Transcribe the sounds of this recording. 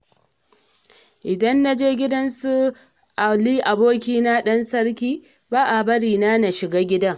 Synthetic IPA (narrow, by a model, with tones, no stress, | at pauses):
ʔɪ˨dɐ˦nːa˦d͡ʒeː˦ɡʲɪ˦dɐ˦nsu˦ | ʔa˨liː˦ʔa˨boː˦kʲiː˦na˦ɗɐ˦nsɐ˦ɽkʲiː˦ | baː˦ʔa˨bɐ˦ɽiː˨na˦na˨ʃɪ˨ɡaː˦ɡʲɪ˦dɐ˦ŋ